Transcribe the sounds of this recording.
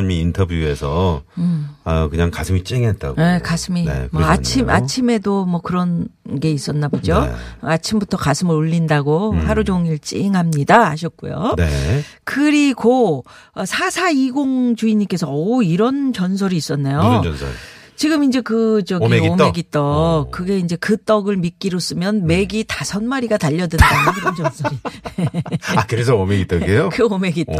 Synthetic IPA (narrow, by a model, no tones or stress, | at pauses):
miːntʰʌbjue̞sʰʌ | ʌkɯɲaŋkasʰɯmit͡ɕ͈iŋet̚t͈a̰ɡekasʰɯmḭmʌat͡ɕʰima̰t͡ɕʰime̞domʌkɯɾʌnɡe̞is͈ʌnːabod͡ʑoat͡ɕʰimbutʰʌkasʰɯmɯɾoʎːindaɡohaɾud͡ʑoŋiɭt͡ɕ͈ḭŋɦamɲidaaɕʰʌt̚k͈ujo̰nekɯɾiɡo | ʌsʰasʰaiɡoŋd͡ʑuiɲik͈e̞sʰʌʌiɾʌnt͡ɕʌns̬ʰʌɾiːs͈ʌnːajos | t͡ɕiɡɯmind͡ʑe̞kɯd͡ʑʌiomeɡit͈ʌkɯɡe̞ind͡ʑe̞kɯt͈ʌɡɯɭmik͈iɾos͈ɯmjʌnme̞ɡitasʰʌnmaɾiɡataʎːʌdɯndanɯiɾʌnd͡ʑʌnsʰʌɾi | akɯɾesʰʌomeɡit͈ʌɡijokɯome̞ɡit͈ʌ